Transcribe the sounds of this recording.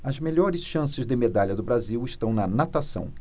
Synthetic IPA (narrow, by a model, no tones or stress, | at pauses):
ɐzmeʎɔɾɪsʃɐ̃sɪzd̪ɪmed̪aʎɐd̪ʊbɾaziwɪʃt̪ɐ̃w̃nɐnat̪asɐ̰̃w̃